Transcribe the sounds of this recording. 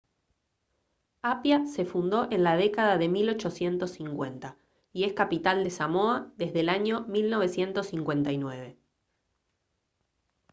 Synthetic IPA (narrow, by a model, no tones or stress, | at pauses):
apjase̞fund̪o̞ʔenlað̞e̞kaðaðe̞milo̞t͡ʃo̞sje̞nt̪o̞sːiŋkwe̞nt̪a | ie̞skapit̪ald̪e̞samoaðe̞zðelaɲo̞milno̞β̞e̞sje̞nt̪o̞sːiŋkwe̞nt̪ajnwe̞β̞e̞